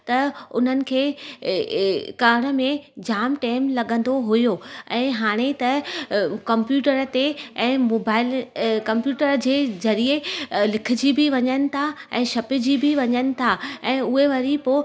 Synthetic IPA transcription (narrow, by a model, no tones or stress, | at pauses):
t̪ɐʊ̰n̤ənɪ̆kʰeː | kaːɽ̃ə̆mẽd͡ʑaːmʈeːmlɐɠə̃n̆d̪oɦʊjoɛ̃ːɦaːɽ̃et̪ɐ | kɐ̃mpjuːʈəɾt̪eɛ̃ːmoːbaːɪlkɐ̃mpjuːʈəɾd͡ʑeːzɐɾielɪkʰɪ̆d͡ʑibʱɪʋɐɲənɪ̆t̪ʰaɛ̃ːʃɐpɪ̆d͡ʑibʱiʋɐɲənɪ̆t̪ʰaɛ̃ːʊɦeʋɐɾipoː